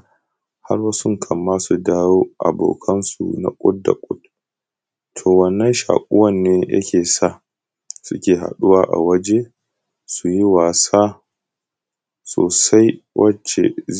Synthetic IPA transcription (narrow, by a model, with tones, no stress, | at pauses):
ha˦rwɐ˦sʊ˦ŋkʰɐ˨mːaː˦su˨daː˦woː˦ʔa̰˨bo̰ː˨kʰɐ˦nsṵ˨na̰˨kʷʼʊ˦t̚da̰˨kʷʼʊ˦t̚ | tʰoː˨wɐ˦nːɐ˦nʃa̰ː˨kʷʼʊ˦wɐ˦nːeː˦jɐ̰˦kʲeː˨sa˦˨ | sʊ˦kʲeː˨ɦa̰˨ɗu˦waː˦ʔa̰˨wɐ˦d͡ʒe˦ | su˨ji˦waː˨saː˦ | so̰ː˨sa˦jwʔɐ˦t͡ʃḛ˨